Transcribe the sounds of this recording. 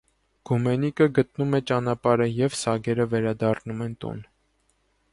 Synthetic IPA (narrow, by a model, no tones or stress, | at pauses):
ɡ̥umɛnikəɡət̪numɛt͡ʃɑnɑpɑɾəjɛvsɑɡɛɾəvɛɾɑd̪ɑrnumɛnt̪ṵn